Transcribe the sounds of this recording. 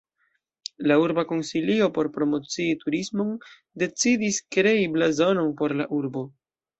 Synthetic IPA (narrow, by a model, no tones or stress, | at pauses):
lauɾbako̞nsilio̞po̞ɾpɾo̞mo̞t͡siːtuɾismo̞n | de̞t͡sidiskɾe̞iblazo̞no̞npo̞ɾla̰ʔuɾbo̞